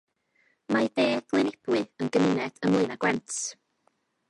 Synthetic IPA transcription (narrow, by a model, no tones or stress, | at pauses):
majðeːɡ̥lˠɨnɪb̥wɨənɡəmɪnɛd̥əmlˠɨnaɡwɛnt